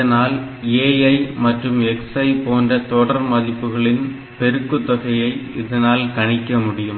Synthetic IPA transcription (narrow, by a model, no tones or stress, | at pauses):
ɐnaːleːjɐɪmɐʈrɯmɛksɐɪpoːndrɐt̪ɔɽɐɾmɐðɪpːɯɣɐɭɪn | pɛɾɯkːɯt̪ːɐɣɐjɐɪɪðɐnaːlkɐɳɪkːɐmʊɽɪjɯm